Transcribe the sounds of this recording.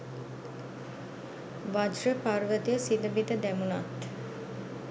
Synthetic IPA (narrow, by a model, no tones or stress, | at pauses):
ʋad͡ʒrəparʋət̪ijəsiləbid̪əd̪æmunat̪